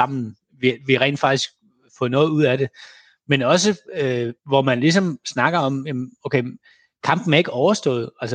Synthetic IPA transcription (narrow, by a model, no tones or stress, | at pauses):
ɑ̈m̰n̩ | ʋiʋiʁɛ̰ːnd̥fɑ̈ɡ̥isɡ̥ | fɔ̽nɔ̽ːð̩ˠuð̰ˠæd̥e̝ | menɒ̽s̬ə | ʋɒmænlis̬ɒ̽msnɑ̈ɡ̥ɐɒ̽mjæmnoʊkeɪ | kʰɑ̈m̰b̥n̩æɐeɡəɒʊɐsd̥ɔ̰̽ːð̞̩ˠælsə